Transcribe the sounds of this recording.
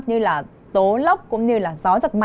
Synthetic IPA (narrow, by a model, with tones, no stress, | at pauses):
ɲɨ˧laː˨˩ | t̪o˨˦lə˦˥wk͡p̚kʊ̰˧˥ŋ͡mɲɨ˧laː˨˩zɔ˨˦zə˨˩t̚ma˧